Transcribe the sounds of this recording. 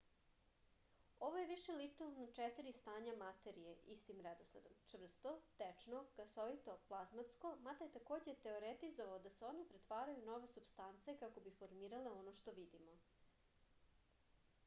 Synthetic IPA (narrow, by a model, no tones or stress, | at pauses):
o̞ʋoje̞ʋiʃelit̪ulznot͡ʂet̪iɾist̪aːɲamat̪e̞ɾije̞ʔist̪imɾed̪o̞slḛd̪omt͡ʂvr̩st̪ot̪et͡ʂnoɡ̥asoʋit̪o̞plˠazmat̪sko̞mad̪ajet̪akoːd͡ʑet̪e̞oɾet̪izoʋaod̪aseo̞nepɾet̪ʋaːɾajuno̞ʋe̞subst̪ant̪sekako̞bifoɾmiːɾaleo̞noʃt̪o̞ʋid̪imo